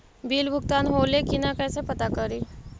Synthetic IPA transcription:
bʱiːlbʱʊɡt̪aːnɦoːlekinakɛːsepɐt̪akɐɾiː

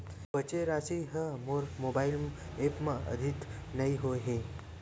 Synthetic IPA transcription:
bət͡ʃeɾasiɦəmoɾmobail | epmãə̰d̪ʱit̪nəiɦoɦe

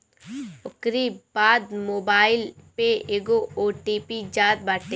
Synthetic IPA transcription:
ʊkɾibaːd̪moːbaːɪlpeeːɡooːʈipid͡ʒaːd̪̚baːʈe

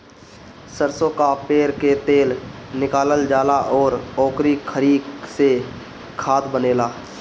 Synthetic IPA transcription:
səɾsokapeːɾket̪eːlnɪkaːləld͡ʒaːlaʔɔːɾɔːkɾikʰəɾiːkse | kʰaːt̪bəneːlaː

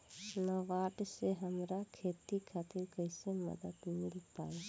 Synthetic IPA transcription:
nəʋaːʈseɦəmɾakʰet̪ikʰaːt̪ɪɾkəɪsemə̰d̪əd̪mɪlpa̰ːe

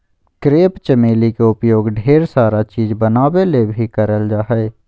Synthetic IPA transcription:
kɾeːpt͡ʃəmeːlikeʊpjoːɡɖʱeːɾsaːɾat͡ʃiːzbənaːwelebʱikəɾəld͡ʒaːɦɛe

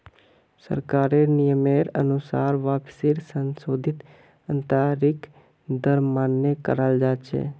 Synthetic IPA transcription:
sə̰ɾkaːɾenɪjəmeːɾə̰nʊsa̰ːɾʋaːpsiɾsənsoːd̪ʱɪt̪ | ə̃nt̪aːɾɪk | d̪əɾmaːnːekə̰ɾəld͡ʒaːt͡ʃʰḛː

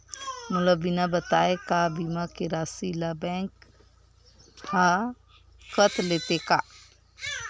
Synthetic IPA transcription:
mʊləbːinabət̪aːekabimakeɾaːsilabɛ̃ŋk | a | kət̪ʰleːt̪eka

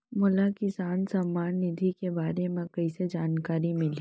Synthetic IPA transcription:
mʊlakɪsaːnsɐmaːnːɪd̪ʱikebaːɾemẽkɐised͡ʒaːnkaːɾimɪliː

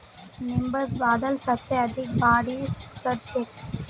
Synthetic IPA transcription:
mɪ̃mbəɾsbaːd̪əlsɐbseɐd̪ʱɪk̚baːɾiːskəɾt͡ʃʰek

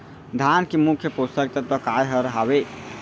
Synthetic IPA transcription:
d̪ʱankemukʰjəpost̪ək̚t̪ət̪ɔkajɦəɾəɦaβe

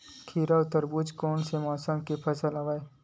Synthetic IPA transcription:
kʰiːɾaʊt̪əɾbud͡ʒkɔːnsemɔːsəmkepʰɐsəlaʋaːe

